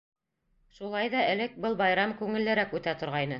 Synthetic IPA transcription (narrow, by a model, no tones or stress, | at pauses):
ʃulˠɑjðɑʔɘ̆lɘk̚bɤlˠbɑjɾɑmkʉŋɘ̆lːɘ̆ɾækʉt̪æt̪ŏɾʁɑjnɤ